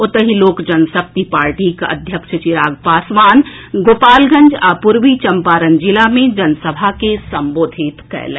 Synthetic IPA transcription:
ʊt̪əɦiloːkd͡ʒɐnsəp̚t̪ipaːɾʈikə̰d̪ʱjəkʃət͡ʃɪɾaːɡpaːsʋaːn | ɡoːpaːlɡə̃nd͡ʒaːpuɾʋit͡ʃɐmpaːɾənd͡ʒɪlamẽd͡ʒɐnsəbʱakesɐ̃mboːd̪ʱit̪kɛ̰ɦlḛ̃

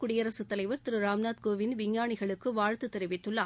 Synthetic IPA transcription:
kʊɽɪjɐɾɐsɯt̪ːɐlɐɪʋɯɾt̪ɪɾɯɾaːmnaːd̪̚koːʋɪnʋɪŋjaːɳɪɣɐɭɯkːɯʋaːɻt̪ɯt̪ːɛɾɪʋɪt̪ːɯɭːaː

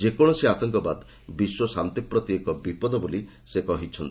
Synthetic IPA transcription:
d͡ʒekɔɽ̃ɔseat̪ɔŋkɔba̰d̪ | biswɔsant̪ipɾɔt̪jekɔbipɔd̪ɔboli | sekɔɦit͡ʃʰɔnt̪i̥

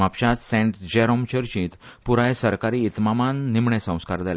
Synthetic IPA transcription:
apɕat͡ssɛ̃ɳʈd͡ʑeɾomt͡ɕəɾt͡ɕiːt̪puɾajsəɾkaɾiːt̪mamanːimɳesə̃w̃skaɾd̪al

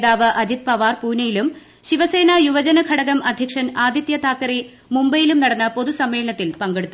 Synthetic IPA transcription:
ðaːʋɨʔɐd͡ʑit̪̚pɐʋaːrpuːnɐjilum | ɕiʋɐse̞ːnɐjuʋɐd͡ʑɐnɐkʰɐɽɐɣɐmɐd̪ʱjɐkʂɐnaːd̪ʱjɐt̪jɐt̪ʰaːkːɐɾi | mumbɐjilumnɐɽɐnːɐpo̞ðusɐmːeːɭɐɳɐt̪ːilpɐŋɡeɽut̪ːu

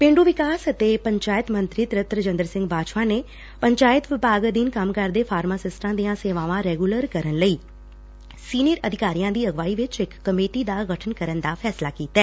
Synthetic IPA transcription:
pẽːɳɖuːʋɪkaːsət̪eːpəɲt͡ʃaːɪt̪mə̃nt̪ɾiːt̪ɾɪt̪ɾəd͡ʒə̃nd̪əɾsɪ̃ŋɡbaːʃʋãːne | pəɲt͡ʃaːɪt̪ʋɪpaːɡd̪iːnkəmkəɾd̪eːpʰaːɾmaːsɪsʈãːd̪ijãːseːʋãːʋãːɾɛːɡuləɾkəɾənləiː | siːnijəɾəd̪ʱɪkaːɾijãːd̪iːəɡʋaːiʋɪt͡ʃɪkːəmeːʈiːd̪aːɡəʈʰənkəɾənd̪aːpʰɛːslaːkiːt̪ɛː

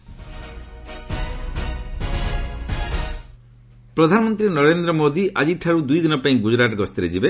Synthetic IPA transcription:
pɾɔd̪ʱanɔmɔnt̪ɾinɔɾend̪ɾɔmod̪iʔad͡ʒiʈʰaɾud̪ujd̪inɔpaĩɡud͡ʒɾaʈɔɡɔst̪iɾed͡ʒibe

